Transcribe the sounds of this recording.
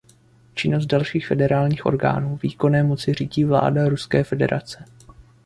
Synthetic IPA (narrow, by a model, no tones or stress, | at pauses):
t͡ʃɪno̞s̬t̚dalʃiːxfɛdɛɾaːlɲiːxʔo̞̰ɾɡa̰ːnuːviːko̞nɛːmo̞t͡sɪr̝iːɟiːvla̰ːdaɾuskɛːfɛdɛ̰ɾʔa̰t͡sɛ̥